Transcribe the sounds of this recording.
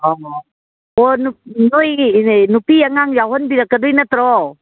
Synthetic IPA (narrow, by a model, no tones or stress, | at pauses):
ɔ | ɔnunujnupiaŋaŋjaɦɔnbiɾakadujnat̪ɾɔ